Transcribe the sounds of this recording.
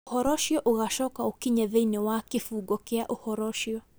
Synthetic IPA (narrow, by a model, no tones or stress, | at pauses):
uhɔɾɔʃiɔʔuɣaʃɔkaukiɲɛðɛiniwakifuːɡɔkɛaʔuhɔɾɔʃiɔ